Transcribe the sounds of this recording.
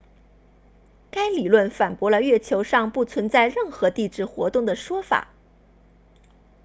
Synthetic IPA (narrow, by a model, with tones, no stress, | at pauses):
ka˥ɪli˨˩lwə˥˩nfa˨˩npwɔ˧˥lə˧ɥɛ˥˩t͡ɕʰjo˧˥ʊʂɑ˥˧ŋpu˥˩t͡sʰwə˧˥nt͡sa˥˧ɪɻə˥˩nxɤ˧˥t̪i˥˧ʈ͡ʂɻ̩˥˩xwɔ̰˧˥t̪ʊ˥˩ŋd̪ə˩ʂwɔ˥fa̰˨˩˦